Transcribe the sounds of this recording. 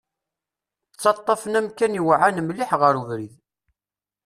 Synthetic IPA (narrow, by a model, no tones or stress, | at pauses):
t͡sːɑt̪ˤːɑfənæmkænjwʕanmliħʁəɾuvɾið